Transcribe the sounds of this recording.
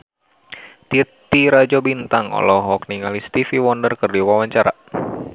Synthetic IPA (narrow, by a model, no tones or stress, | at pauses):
t̪it̪ːiɾad͡ʒɔbint̪aŋɔ̰lɔɦɔkniŋalist̪ifiwɔndərkərdiwawaɲt͡ʃaɾa̰